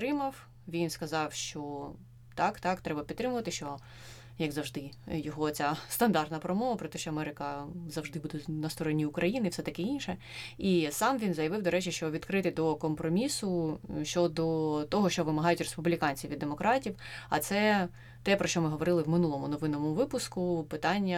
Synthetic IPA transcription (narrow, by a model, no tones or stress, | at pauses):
t̪ɾɪmɐw | ʋʲinskɐzɑwʃt͡ʃɔ | t̪ɑkt̪ɑkt̪ɾɛbɐpʲt̪ːɾɪmʊʋɐt̪ɪʃt͡ʃɔ | jɐɡzɐwʒd̪ɪjɔɦɔt͡sʲast̪ɐnd̪ɑrt̪nɐpɾɔmɔʋɐpɾɔt̪ɛʃt͡ʃɔɐmɛɾɪkɐzɐwʒd̪ɪbud̪ɛnɐst̪ɔɾɔnʲiʊkɾʔɐjinɪwsɛt̪ɐkɪinʲʃɛ | isɑmʋʲinzɐjɐʋɪwd̪ɔɾɛt͡ʃiʃt͡ʃɔʋʲid̪kɾɪt̪ɪd̪ɔkɔmpɾɔmʲisʊʃt͡ʃɔd̪ɔt̪ɔɦɔʃt͡ʃɔʋɪmɐɦɑjʊtʲrespublʲikɑnʲt͡sʲiwʋʲid̪ːemɔkɾʔɑtʲiwɐ̰t̪sɛ | t̪ɛpɾɔʃt͡ʃɔmɪɦɔʋɔɾɪlˠɪwmɪnulˠɔmʊnɔʋɪnɔmʊʋɪpʊskʊpɪt̪ɑnʲːɐ